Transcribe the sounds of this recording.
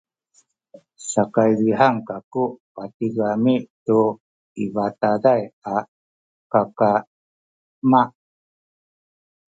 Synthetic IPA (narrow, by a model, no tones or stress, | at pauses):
sakajviɦaŋkakupat̪iɡamitu | ivat̪adaja | kaka | ma